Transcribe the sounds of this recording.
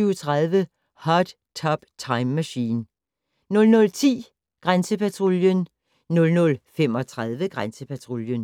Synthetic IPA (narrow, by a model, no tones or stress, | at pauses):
yʊt͡sʰʁaðˠʋə | hɑd̥ | t͡sʰɒb̥t͡sʰɑ̈ɪmːæɕḭːn | nɔ̽lnɔ̽lt͡sʰḭː | ɡ̥ʁansəpæt͡sʰʁo̝ljən | nɔ̽lnɔ̽lfemɒ̽t͡sʰʁað̞ˠʋəɡ̥ʁansəpʰæt͡sʰʁo̝ljən